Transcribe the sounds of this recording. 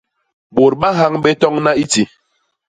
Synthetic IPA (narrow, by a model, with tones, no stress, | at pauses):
bo˨ɾɓa˦ɦa˦ŋɓɛ˦tɔ˦ŋna˦i˦ti˨